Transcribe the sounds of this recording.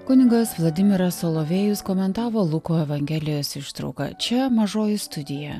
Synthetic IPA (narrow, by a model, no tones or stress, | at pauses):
kʊnʲɪɡɐsʋlˠɐd̪ʲɪmʲɪɾɐsoːlˠoːʋʲeːjʊskoːmʲɛnt̪ɑːʋoːlˠʊkoːɛʋɐŋʲɡʲæːlʲɪjoːsɪʃt̪ɾɒ̰ʊkɐ̰t͡ʃʲɛmɐʒoːjɪst̪ʊd̪ʲɪjɛ